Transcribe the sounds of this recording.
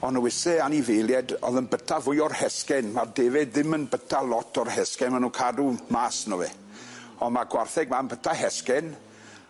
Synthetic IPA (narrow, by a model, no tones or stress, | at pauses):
ɔnuwɪsɛanivelˠjɛdɔ̰ðənbətʰavʊjɔrhɛskɛnmardeːvɛdðɪmənbətʰalˠɔtʰɔrhɛskɛnmanuːkʰadumaːsnɔvɛ̰ | ɔnmaɡ̥warθɛɡ̚manbətʰahɛskɛn